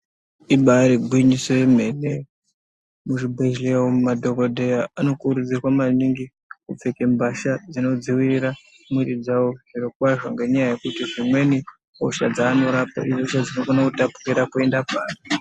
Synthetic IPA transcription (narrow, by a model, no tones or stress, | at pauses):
iɓaɾiɡʱwiɲisojeme̞ːne | muʐibʱeʒlewomumadʱo̞kodʱejaano̞kuɾud͡zirwamaniŋɡi | kup͡fekembaʃad͡zino̞d͡ziwiriɾa | mwiɾid͡zawoʐiɾokwaʐo̞ŋɡe̞ɲajaje̞kutiʐimwe̞ni | o̰ʃad͡zaːno̞ɾapa̰ioʃad͡zino̞ɡonakutapu̥riɾakue̞ndapaːra